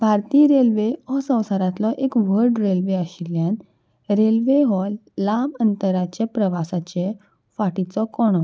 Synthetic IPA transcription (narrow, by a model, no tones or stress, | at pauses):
bʱaɾt̪iːɾelʋeɔsə̃w̃saɾat̪lɔʔekʋəɾɖɾelʋeaɕiljãn | ɾelʋeɦɔlːamənt̪əɾat͡ɕepɾəʋasat͡ɕe | faʈit͡sɔkɔɽ̃ɔ